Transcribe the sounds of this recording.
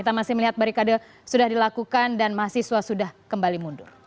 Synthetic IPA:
it̪amasɪhməliɦat̪̚baɾikada | sudahdilakukandanmaɦasiswasudahkəmbalimundʊr

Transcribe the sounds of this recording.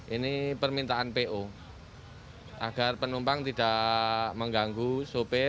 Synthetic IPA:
ʔinipərmint̪aʔanpeʔo | ʔa̰ɡ̥arpənumpaŋt̪idaʔməŋɡaŋɡusupe

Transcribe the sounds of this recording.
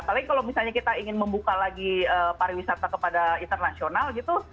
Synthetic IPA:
apalaɡikalawmisalɲakit̪aiŋɪnməmbukalaɡiəːpaɾiwisat̪akəpadaint̪ərnasionalɡit̪u

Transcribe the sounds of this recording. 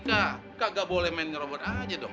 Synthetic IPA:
ka | kaʔɡaʔbolɛhmɛnɲɾɔbɔt̪ad͡ʒadɔ

